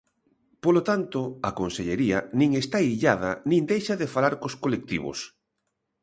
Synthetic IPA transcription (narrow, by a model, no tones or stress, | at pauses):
polot̪ant̪oakonseʎeɾiɐnĩŋest̪aiʎað̞ɐ̰nĩŋd̪ejʃɐaðefalaɾkoskolek̚t̪ḭβo̰s